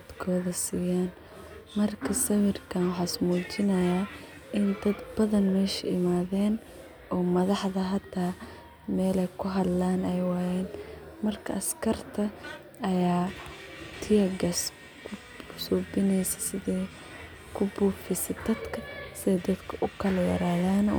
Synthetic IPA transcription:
d̪ɐd̪kʰɔːðɐsiːjaːn | mɐrkʰɐsɐwɪrkʰɐnwɑħɑːsmuːt͡ʃɪnɐjaː | ʔɪnd̪ɐd̪bɐðɐnmɛːʃɛɪmaːðɛːn | ʔɔːmɐðɑħðɐɦɐt̪ʰːaː | mɛːlɛjkʰʊɦɐd̪laːnɛjwaːjɛːn | mɐrkʰɐ̰ʔɐskʰɐrt̪ʰɐ | ɐjaː | t̪ʰɪjɐɡɐs | kʰʊ | suːbɪnɛjsɛ̥sɪðɛː | kʰʊbuːfɪsɛd̪ɐd̪kʰɐsɪðɛd̪ɐd̪kʰɐʔʊkʰɐlɐjɐ̰ɾaːðaːnɔ̰ː

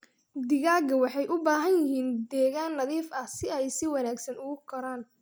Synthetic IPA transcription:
d̪ɪɣaːɡɐwɑħɑjʔʊbaːɦɐnjɪɦiːnd̪ɛːɣaːnːɐðiːfɐhsɪɛjsɪwɑnaːɡsɐnʊɣʊkʰɐɾaːn

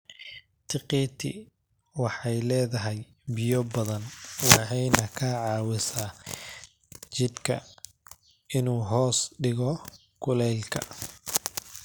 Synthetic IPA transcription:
t̪ʰɪqiːt̪ʰɪ̰ | wɑħɑjlɛːðɐɦɛj | bɪjɔbɐðɐnwɑħɑjnɐkʰɐʕɑːwɪsaː | t͡ʃɪd̪kʰɐ̰ | ɪnuːɦɔːsɖɪɣɔ | kʰʊlɛːlkʰɐ̰

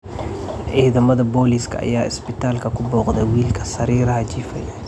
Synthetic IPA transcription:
ʔiːðɐmɐðɐbɔːliskʰɐ̰ɐ̰jaːɪ̰spɪt̪ʰaːlkʰɐkʰʊbɔːqd̪ɐwiːlkʰɐ̥sɐɾiːɾɐhɐd͡ʒiːfɐ̰jaː

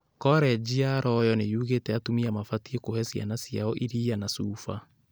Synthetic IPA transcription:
kɔɾɛd͡ʒiaɾɔjɔnejuːɣetɛatumiamafatiekohɛsja̰nasia̰ɔʔiɾianasuːfa̰

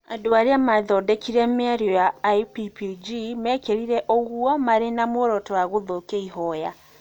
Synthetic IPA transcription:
adoaɾeamaðɔdɛkiɾɛmɛɾɔjaipipd͡ʒimɛkeɾiɾɛʔoɣuɔmaɾenamoɾɔtɔwaɣoðokeiɦɔja

